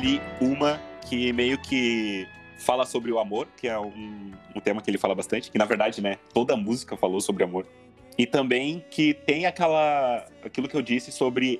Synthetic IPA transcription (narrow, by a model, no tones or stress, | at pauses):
aliũmɐkʰɪmejʊkʰɪ | falɐsobɾɪʊamoɾkʰɪɛũũt̪ẽmɐkɪelɪfalɐbast̪ɐ̃t͡ʃɪ̥kɪnɐveɾd̪ad͡ʒɪnɛt̪od̪ɐmuzikɐfalosobɾɪamoɾ | ɪt̪ɐ̃mbẽj̃kʰɪt̪ẽj̃akɛlɐ | akilʊkɪewd͡ʒisɪsobɾɪ